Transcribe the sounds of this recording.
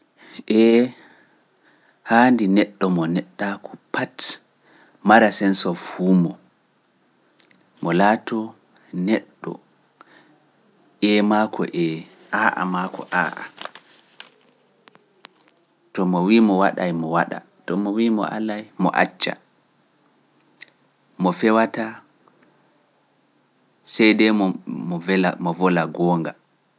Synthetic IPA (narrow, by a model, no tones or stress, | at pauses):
ʔɛ | handinɛɗːɔmɔnɛɗːakʰɔpat | maɾasɛnsɔfuːmɔ | mɔlaːtɔ | nɛɗːɔ̰ | ʔɛmakʰɔ̰ʔɛ | ʔaːʔa̰makʰɔ̰ʔaːʔa̰ | tɔmɔwimɔwaɗajmɔwaɗa̰ | tɔmɔwimɔ̰ʔa̰lajmɔ̰ʔa̰t͡ʃːa̰ | mɔfɛwata | sɛjdɛmɔmɔɛlamɔvɔlaɡɔːŋɡa